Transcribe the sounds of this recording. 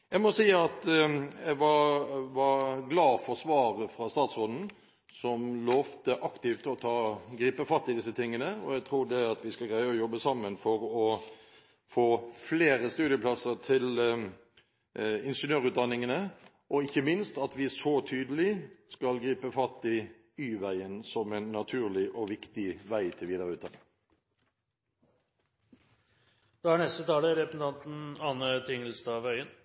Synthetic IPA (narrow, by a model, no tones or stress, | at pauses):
jæɪmɔsiːɑt̪æʋɑɾʋɑɾɡlɑːfɔsʋɑːʁəfɾɑst̪ɑːt̪sʁɔnn̩ | sɔmlɔːʋt̪əʔɑkt̪ɪft̪ʰːɪlɔt̪ʰɑːɡɾiːpəfɑt̪ːɪd̪ɪsːət̪ʰɪŋːənəɔæɡt̪ʰɾuːɖɛɑt̪ʋɪskɑlɡɾæɪəɔjɔbːəsɑmːənfɔɾɔ | foːfleːɾəst̪ʉːd̪ɪəplɑsəɾt̪ʰɪl | ɪnʂənøːʁʉːt̪̚d̪ɑnːɪŋənə | ʔɔɪçːəmɪnst̪ɑt̪ʋɪsɔt̪ʰyːd̪əlɪskɑlɡɾiːpəfɑt̪ɪ | yːʋæɪənsɔmæɪnːɑt̪ʰʉːʁlɪʔɔʋɪkt̪ɪʋæɪt̪ʰɪlʋiːd̪əʁɾʉːt̪d̪ɑnːɪŋ | d̪̥ɛhæɳɛst̪ət̪ʰɑːləɾɛpəsn̩ɑnt̪n̩ɑːnət̪ʰɪŋəlst̪ɑːʋœʏən